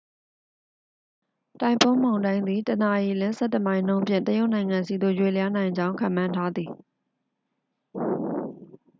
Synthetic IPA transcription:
tã˨ɪ̃mpʰõ˦mã˨ʊ̃ndã˦ɪ̃nd̪i˨tə˨na˨ji˨lɪ̃˦nsʰɛ̰˦˨tə˨mã˦ɪ̃n̥ːõ˦mpʰjɪ̰̃˦˨ntəjo˦ʊʔnã˨ɪ̃ŋã˨nsi˨d̪o̰˦˨jwe˨lja˦nã˨ɪ̃ɲd͡ʑã˦ʊ̃kʰã̰˨mã˦ntʰa˦d̪ði˨

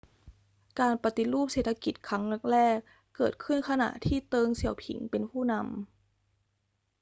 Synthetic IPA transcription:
kaː˧npa˧t̪i˧ɾuː˥˩p̚seː˨˩t̪ʰːa˧ki˨˩t̪̚kʰɾa˦˥ŋlɤ˦˥k̚ɾɛː˥˩kː | ɤː˨˩t̪̚kʰɯ˥˩nkʰa˧na̰˨˩ʔt̪ʰiː˥˩t̪ɤː˧ŋsi˨˩˦əwpʰḭ˩˦ŋpe˧npʰuː˥˩na˧m

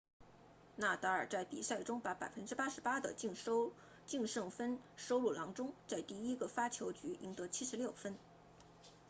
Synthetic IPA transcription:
na˥˩t̪ɤ˧˥ə˞˨˩t͡sa˥˩ɪpḭ˨˩sa˥˩ɪʈ͡ʂʊ˥ŋpa˧˥pa˨˩ɪfə˥nʈ͡ʂɻ̩˥pa˥ʂɻ̩˧˥pa˥d̪ə̰˨˥˧ | t͡ɕi˥˧ŋʂɤ˥˩ŋfə˥nʂo˥ʊlu˥˩lɑ˧˥ŋʈ͡ʂʊ˥ŋt͡sa˥˧ɪt̪i˥˩i˥ɡə˨fa˥t͡ɕʰjo˧˥ʊt͡ɕy˧˥i˧˥ŋt̪ɤ˧˥t͡ɕʰi˥ʂɻ̩˧˥ljo˥˩ʊfə˥n

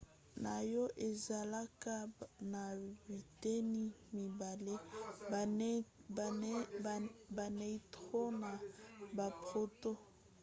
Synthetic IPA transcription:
na˨jɔ˦ʔe˨za˨la˦ka˦na˨bi˨te˦ni˦mi˨ba˨le˦˨ | ba˨ne˨i˦tʁo˦na˨ba˨pʁo˦to˦

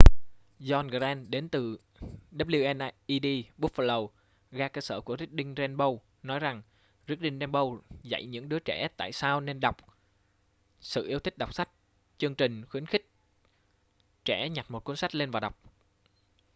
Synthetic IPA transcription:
zɔ˧nɣa˧˩ɛː˧nɗe˨˦nt̪ɨ˨˩ | ɗə˦˥p̚li˧ʔɛ˧nʔʔi˧ɗi˧ɓu˦˥fə˧lə˧w | ɣaː˧kəː˧səː˧˩ku˧˩əzi˦˥k̚ɗï˧ŋ̟zɛ˧nɓə˧w | nɔ˨˦jza˨˩ŋ | zi˦˥k̚ɗi˧ŋ̟ɗɛ˧nɓə˧wza̰˧˨jɲɨ̰˧˥ŋɗɨ˨˦ət͡ɕɛ̰˧˩t̪a̰ː˧˨jsaː˧wne˧nɗa˨˩wk͡p̚ | sɨ̰˧˨ʔi˧əwt̪ʰï˦˥k̚ɗa˨˩wk͡p̚sa˦˥jk̟̚ | t͡ɕɨ˧əŋt͡ɕï˨˩ŋ̟xwi˨˦ənxï˦˥k̚ | t͡ɕɛ̰˧˩ɲa˨˩mo˨˩t̚kwi˨˦ənsa˦˥k̟̚le˧nvaː˨˩ɗa˨˩wk͡p̚

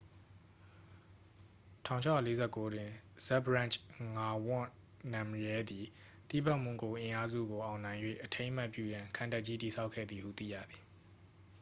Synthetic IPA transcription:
tʰã˨ʊ̃t͡ɕʰa˦˨le˦zɛ˦˨ko˦dwɪ̃˨z̥ɛ˦bəɹã˦˨nt͡ʃŋa˦wʊ̰̃˦˨ | nã˨mjɛ˦d̪i˨ | t̪ḭ˦˨ba˦ʔmʊ̃˨ŋko˨ʔɪ̃˨ʔa˦zṵ˦˨ɡo˨ʔã˨ʊ̃nã˨ɪ̃jwḛ˦˨ʔətʰẽ˦ɪ̃m̥a˦˨ʔpjṵ˦˨jã˨ŋkʰã˨nta˦ʔ̚t͡ɕi˦ti˨sʰa˦ʊʔkʰːɛ̰˦˨d̪ði˨hṵ˦˨t̪ḭ˦˨jä̰˦˨d̪i˨

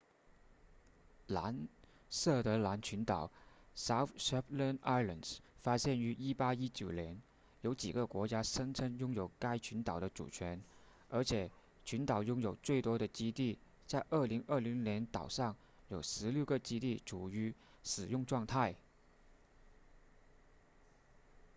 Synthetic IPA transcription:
la˧˥n | sɤ˥˩t̪ɤ˧˥la˧˥nt͡ɕʰy˧˥nt̪ɑ˨˩˦ʊsa˥ʊʂɛ˥plə˥na˥ɪlə˨˩nsfa˥ɕjɛ˥˩ny˧˥i˥pa˥i˥t͡ɕjo˨˩ʊljɛ˧˥n | jo˧˥ʊt͡ɕḭ˨˩ɡə˦kwɔ˧˥t͡ɕja˥ʂə˥ŋʈ͡ʂʰɤ˥ŋjʊ˥ŋjo˨˩ʊka˥ɪt͡ɕʰy˧˥nt̪ɑ˨˩ʊd̪ə˦ʈ͡ʂṵ˨˩t͡ɕʰɥɛ˧˥n | ə˞˧˥t͡ɕʰjɛ˨˩˦ | t͡ɕʰy˧˥nt̪ɑ˨˩ʊjʊ˥ŋjo˨˩ʊt͡swe˥˩ɪt̪wɔ˥ɾə˨t͡ɕi˥t̪i˥˩ | t͡sa˥˧ɪʔə˥˩li˧˥ŋə˥˩li˧˥ŋnjɛ˧˥nt̪ɑ˨˩ʊʂɑ˥˩ŋ | jo˨˩ʊʂɻ̩˧˥ljo˥˩ʊɡə˥˧t͡ɕi˥t̪i˥˩ʈ͡ʂʰu˨˩y˧˥ | ʂɻ̩˨˩jʊ˥˧ŋʈ͡ʂwɑ˥˧ŋt̪ʰa˥˩ɪ

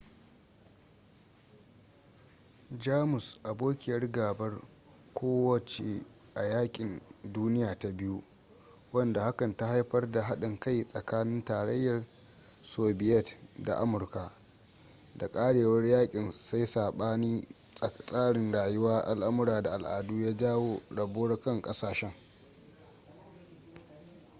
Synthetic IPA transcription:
d͡ʒaː˦mʊ˨sʔa˨boː˦kʲɪ˨jɐ˦rɡaː˨bɐ˦r | kʷʰoː˦wɐ˨t͡ʃḛ˨ | ʔa˨jaː˦kʲʼɪ˨nduː˦nɪ˦jaː˨ta˨bɪ˦ju˦ | wɐ˦nda˨ha˦kɐ˨nta˦ha˦jɸɐ˦rda˨ɦa˦ɗɪ˨ŋka˦jsʼɐ˨kaː˦nɪ˦ntaː˨ɽɐ˦jːɐ˨r | soː˨bɪ˦ʔɛ˦˨tda̰˨ʔa˦mʊ˨rka˨ | da˨kʼaː˦ɽeː˨wɐ˦rjaː˦kʲʼɪ˨nsa˦jsaː˨ɓaː˦niː˦˨ | sʼaː˦ɽɪ˨nɽaː˨jʊ˦waː˦ʔa˦lʔa˦mʊ˦ɾaː˨da˨ʔa˨lʔa̰ː˨duː˦jaː˦d͡ʒaː˦woː˦ɽɐ˨boː˦ɽkɐ˦ŋkʼɐ˦saː˨ʃɛ˦ŋ

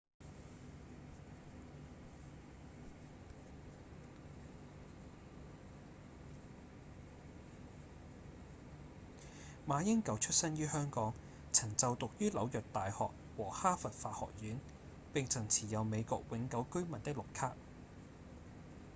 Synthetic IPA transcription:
maː˨˧jɪ˥ŋkɐ˨˧˥wt͡ʃʰɵ˥t̚sɐ˥njyː˥hœː˥ŋkɔː˨˥ŋ | t͡sʰɐ˨˩ŋt͡sɐ˨wt̪ʊ˨k̚jyː˥lɐ˨˧wjœ˨k̚t̪aː˨jhɔ̰ː˨k̚ | wɔː˨˩haː˥fɐ˨t̚faː˧hɔ̰ː˨k̚jyː˨˥n | pɪ˨ŋt͡sʰɐ˨˩ŋt͡sʰiː˨˩jɐ˨˧wme˨˧jkɔ̰ː˨k̚wɪ˨˧˥ŋkɐ˨˧˥wkɵ˥ɥmɐ˨˩nt̪ɪ˥k̚lʊ˨kʰaː˥k̚

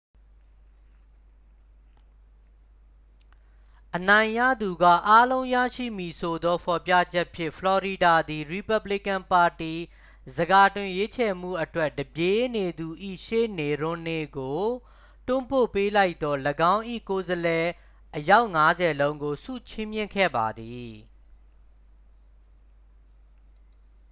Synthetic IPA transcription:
ʔənã˨ɪ̃jä̰˦˨d̪u˨ɡa̰˦˨ʔa˦lõ˦ʊ̃jä̰˦˨ʃḭ˦˨mi˨sʰo˨d̪ɔ˦pʰɔ˨pja̰˦˨d͡ʑɛ˦ʔpʰjɪ̰̃˦ʔpʰlɔ˨ɹi˨da˨d̪i˨ɹi˨pa˦bli˦˨kã˨mpa˨ti˨ | zəɡa˨tɪ̃˨je˦t͡ɕʰɛ˨m̥ṵ˦˨ʔətwɛ˦ʔdəbje˦ne˨d̪u˨ʔḭ˦˨ʃḛ˦˨ne˨ɹʊ̃˦ne˨ɡo˨ | tʊ̃˦˨mpo̰˦˨pe˦la˦ɪt̪ɔ˦ləɡã˦ʊ̃ʔḭ˦˨ko˨zəlɛ˨ | ʔəja˦ʊʔŋa˦zɛ˨lõ˦ʊ̃ŋɡo˨sṵ˦˨t͡ɕʰɪ̃˦mjɪ̰̃˦˨ŋkʰɛ̰˦˨ba̰˨d̪i˨

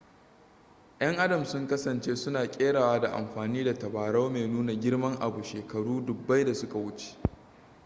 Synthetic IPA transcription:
j̰ɐ˦ŋʔa˦dɐ˨msʊ˦ŋkɐ˦sɐ˨nt͡ʃeː˦sʊ˦naː˨kʲʼeː˦ɽaː˨waː˦da˨ʔa̰˨mɸaː˨niː˦da˨tɐ˨baː˨ɽa˦meː˨nuː˦na˨ɡʲɪ˦ɽmɐ˦ŋʔa˨bu˨ʃeː˨kɐ˨ɽuː˦dʊ˨bːa˦jda˨sʊ˦ka˨wʊ˦t͡ʃe̥˨

